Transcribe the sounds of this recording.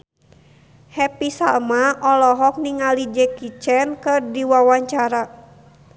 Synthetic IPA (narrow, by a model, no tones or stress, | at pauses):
hɛpisalmaɔlɔɦɔk̚niŋalid͡ʒɛkit͡ʃɛnkɨrdiwawaɲt͡ʃaɾa